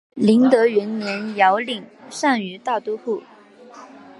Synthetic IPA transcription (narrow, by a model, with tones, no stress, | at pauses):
li˧˥ŋt̪ɤ˧˥ɥɛ˧˥nnjɛ˧˥njɑ˧˥ʊli˨˩ŋʂa˥˩ŋy˧˥t̪a˥˩ʊt̪u˥xu˥˩